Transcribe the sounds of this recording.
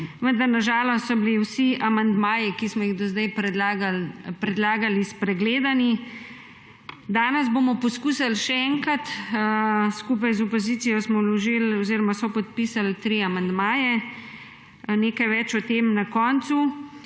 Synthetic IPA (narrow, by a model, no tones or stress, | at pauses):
ʋənd̪aɾnaʒaːlɔst̪sɔbliwsiʔamand̪maːjikismɔjiɣd̪ɔzd̪ajpɾɛaɡpɾɛd̪laːɡalispɾɛɡleːd̪ani | d̪aːnɛs̬boːmɔpɔskuːsalʃɛɛŋkat̪ | skuːp̬ajzɔpɔzit̪sijɔsmɔwlɔʒilɔziːɾɔmasɔpɔt̪̚pisalt̪ɾiamand̪maːjɛ | neːkajʋɛt͡ʃɔt̪eːmnakɔːnt̪su